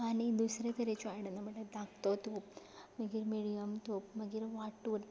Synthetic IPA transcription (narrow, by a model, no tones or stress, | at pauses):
aːnid̪usɾɐt̪ɐɾet͡ʃuajɽɐnɐmɐʈːɐd̪aːkt̪ot̪uːp | mɐɡiɾmiːɽijɐmt̪uːpmɐɡiɾʋaʈːuːɾ